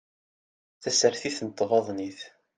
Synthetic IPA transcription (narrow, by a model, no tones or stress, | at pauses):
θæsəɾθiθnət̪ˤːvɑðˤniθ